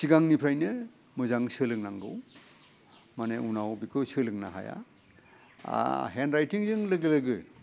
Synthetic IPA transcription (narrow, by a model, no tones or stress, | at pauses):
siɡaŋnipʰɾajnɯ | mɯzaŋsɯlɯk̚naŋɡɯw | maneunawbikʰɯsɯlɯk̚naɦa̰ja̰ | ɦenɾajtiŋzɯŋlɯɡɯlɯɡɯ